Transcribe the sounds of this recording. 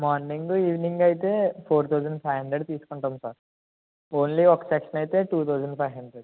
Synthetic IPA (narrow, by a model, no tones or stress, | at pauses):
mɔːɾnĩŋɡɡuiːʋnĩŋɡaːjt̪epʰoːɾt̪ʰawd͡ʒəɳɖpʰajʋɦɐɳɖɾeɖt̪iːskɐɳʈɐ̃msaːɾ | oːnliɔksekʃɐnaːjt̪eʈuːt̪ʰaːd͡ʒəɳɖpʰajʋɦɐɳɖɾeɖ